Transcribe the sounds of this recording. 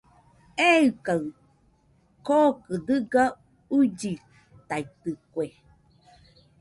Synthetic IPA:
eɯkaw | kokɨd̪ɯɡa | ud͡ʒi | t̪ait̪ɯkʷe

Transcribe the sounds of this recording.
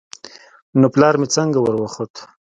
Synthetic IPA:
noplɑːɾmit͡səŋɡawəɾwaχot̪

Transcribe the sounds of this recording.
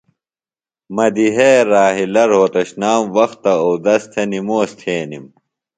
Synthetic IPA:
mɐd̪iɦeɾaːɦilɐɾɦoːt̪ɐɕnaːmwɐxt̪ːɐowd̪ɐst̪ʰenimoːst̪ʰeːnim

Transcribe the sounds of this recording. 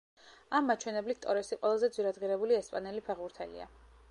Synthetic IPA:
amːat͡ʃʰwɛnɛblit̪t̪ʼɔɾɛsiqʼwɛlˠazɛd̪zwiɾad̪ʁiɾɛbuliɛspʼanɛlipʰɛʁuɾt̪ʰɛ̰lḭa̰

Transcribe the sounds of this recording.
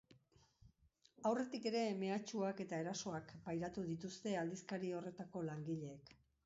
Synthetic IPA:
awre̞t̪ike̞ɾe̞me̞at͡ʃuake̞t̪ae̞ɾaso̞akbajɾat̪uðit̪ust̪e̞ald̪iskaɾio̞re̞t̪ako̞laŋɡiʎe̞ːk

